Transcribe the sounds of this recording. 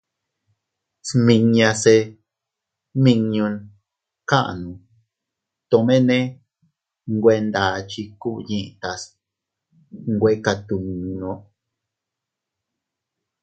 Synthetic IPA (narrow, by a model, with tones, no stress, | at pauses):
smĩ˧ɲã˧se˧ | mĩ˧ɲũ˧n | kã˦ʔa̰˨nũ˨ | t̪õ˧mẽ˦nẽ˦ | ŋɡʷe˧˦nd̪a˨t͡ʃi˧ku˦˧ɲĩ˦˧ʔt̪a˧s | ŋɡʷe˦ka˧t̪u˨nũ˧nõ˦ʔ